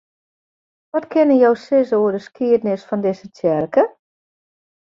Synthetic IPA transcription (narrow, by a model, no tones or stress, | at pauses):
ʋɔtkʰɪnəjowsɪsoədəskiədnɪsfɔndɪsətʰjɛrkə